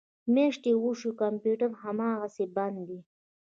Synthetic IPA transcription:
meʂʈ̪ewuʃukampjuʈəɾhamɑːɣaseband̪d̪i

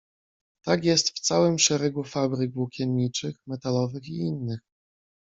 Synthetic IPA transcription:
t̪akʲjɛst̪ft̪sawɘmʂɛɾɛɡufabɾɘɡvwukʲɛmʲːit͡ʂɘxmɛt̪alɔvɘxiinːɘx

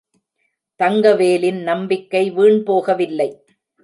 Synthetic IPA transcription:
t̪ɐŋɡɐʋeːlɪnnɐmbɪkːɐɪʋiːɳpoːɣɐʋɪlːɐɪ

